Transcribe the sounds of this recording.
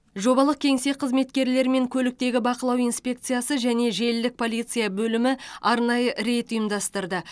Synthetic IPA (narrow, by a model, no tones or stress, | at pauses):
ʒo̞bɑlˠəq̚kʲʰe̞ŋse̞qʰəzme̞t̪kʲe̞ɾle̞ɾme̞ŋkʲʰɵlɪk̚t̪e̞ɡʲɪbɑqəlˠɑwijnspʲe̞k̚t̪sɨjasəʒæne̞ʒe̞ld̪ɪk̚pʰo̞lˠijt̪sɨjabɵlɪmɪɑɾnɑjəɾe̞t̪ʊjəmd̪ɑst̪əɾd̪ə